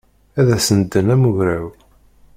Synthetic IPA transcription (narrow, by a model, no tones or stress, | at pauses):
æðæsənd̪ːənæmuʝɾæw